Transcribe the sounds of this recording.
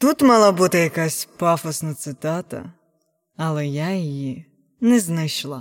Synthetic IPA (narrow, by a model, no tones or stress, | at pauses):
t̪ut̪mɑlˠabut̪ɪjɐkasʲpɑfɔsnɐt̪sɪt̪ɑt̪ɐ̰ | ɐlˠɛjajiji | nɛznɪʃlˠɐ